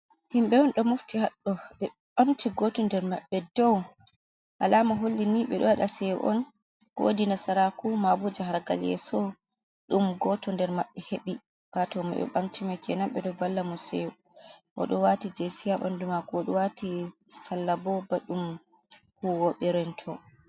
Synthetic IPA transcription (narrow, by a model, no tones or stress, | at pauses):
himɓɛɔnɗɔmoftihaɗːɔɓɛ | ɓamtiɡɔtɔndɛɾmaɓːɛdɔw | ʔa̰lamaɦolːiniɓɛɗɔwaɗasɛ̰ʔɔ̰n | o̰dinasaɾakumabud͡ʒahaɾɡa̰ljɛ̰sɔ | ɗumɡɔtɔndɛɾmaɓːɛheɓi | watɔma̰ɓɛ̰ɓa̰mtimakɛnamɓɛɗɔvalːamɔsɛ̰j | ʔɔ̰ɗɔwatid͡ʒesijaɓa̰ndumakɔɔɗɔwatisalːabɔbaɗum | huwɔɓɛɾɛntʰɔ